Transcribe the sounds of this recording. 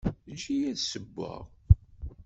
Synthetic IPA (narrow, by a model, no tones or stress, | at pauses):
nʃijæðsəbʷːə̰ʁ